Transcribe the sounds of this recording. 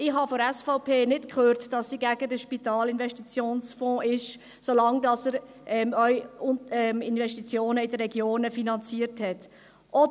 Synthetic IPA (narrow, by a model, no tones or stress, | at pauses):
ɪɦɑfoɾɛsfɔʊpʰeːnɪtkχøːɾtd̥ɑsːiɡæɡ̥ədəʃpit̪ɑːlɪnvɛʃtit͡sjoːnsfɔ̃ːʔɪʃ | solɑŋdɑsəɾ | ʔɛmœʏʊɛmɪnvɛʃtit͡sjoːnəɪdərːɛɡjoːnəfinɑnt͡siəɾthɛt | ʔɔ